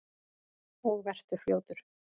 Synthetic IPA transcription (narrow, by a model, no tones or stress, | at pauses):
ɔɣvɛr̥t̪ʏ̥fljoːwt̪ʏɾ̥